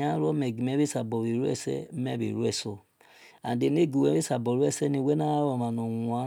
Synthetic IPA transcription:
a˦ɾo˦mɛ˨ɡi˨mɛ˦βe˦sa˨bo˨βi˨ɾu˦ɛ̰˦sɛ̰˦me˦βḭ˨ɾu˦ɛ˦˨so˦ | a̰˨de˨ne˦˨ɡu˨we˨˦e˦sa˨bo˨ɾu˦ɛ˦˨se˦ni˧we˦na˦a˦ɾo˨ma˨no˨wa˨˦

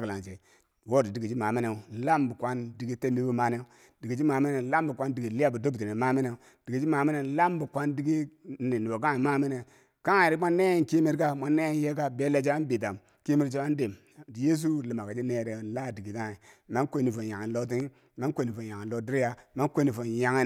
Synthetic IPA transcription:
kla˨nt͡ʃe˨ | wo˦˨di˨di˨ɡi˨d͡ʒi˦ma˨mi˦ne˨˦la˦mbu˨kʷa˦ndi˨ɡi˦te˦mi˦bu˦ma˦ne˦ | d̥i˨ɡi˨d͡ʒi˦ma˨mi˦ne˨˦la˦mbu˨kʷa˦ndi˨ɡi˨li˦a˦bu˨do˦bti˨ne˨ma˦mi˦ne˨ | d̥i˨ɡd͡ʒi˦ma˨mi˦ne˨˦la˦m˦bu˨kʷa˦ndi˦ɡi˦ni˨ni˨bo˨ka˦˨i˨ma˦mi˦ne˨ | ka˦a˨i˨ɾi˦ma˦nːe˦e˦nki˦mi˦ɾka˦mʷa˦nːe˦je˦ka˦be˦le˦d͡ʒa˦n˦bi˨t̬a˨m | ki˦mi˦ɾt͡ʃi˦a˦n˦de˨m˨ | je˦s̬u˦˨li˨ma˨ka˨d͡ʒi˦ne˨ɾe˨˦la˦˨di˨ɡi˨ka˦˨i˨ma˦nko˦ni˨fo˨nja˨ŋi˨nlo˦t̬i˦ŋi˦ | ma˦nkʷo˦˨ni˨fo˨ja˨ŋi˨n˨lo˦di˦ɾja˦ma˦nko˦ni˨fo˨n˨ja˨ŋi˦

